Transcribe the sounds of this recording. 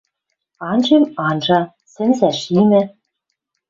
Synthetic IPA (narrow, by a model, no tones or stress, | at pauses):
ɑnʒemɑnʒɑ | sɘ̆nzæʃimɘ̆